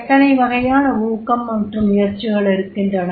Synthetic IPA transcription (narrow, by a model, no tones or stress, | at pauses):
t̪ːɐnɐɪʋɐɣɐjaːnɐuːkːɐmːɐʈrɯmɪjɐɾt͡ʃːɯɣɐɭɪɾɯkːɪndrɐnɐ